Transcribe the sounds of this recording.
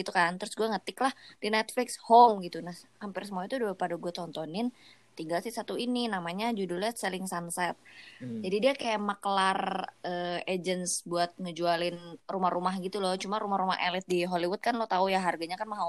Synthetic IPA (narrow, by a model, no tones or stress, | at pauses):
ɡit̪ukant̪əɾʊsɡuaŋət̪ɪklahdinɛt̪flɪkshomɡit̪unahhampɪrsəmuait̪uduapadaɡuat̪ɔnt̪ɔnɪn | t̪iŋɡalsɪhsat̪uininamaɲad͡ʒudulɛsəlɪŋsansɛt̪̚d͡ʒadidiakajamakəlarəed͡ʒənsbuat̪̚ŋəd͡ʒualɪnrumahrʔumahɡit̪ulɔt͡ʃumaɾumahɾuma̰ɦelɪt̪̚diɦoliwʊt̪̚kanlot̪aujaɦarɡaɲakanmaɦa